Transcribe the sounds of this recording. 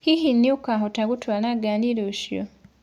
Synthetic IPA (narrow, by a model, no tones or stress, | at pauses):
kihinːiukaɦotaɡutwaːlaɡaːndiloʃjo̰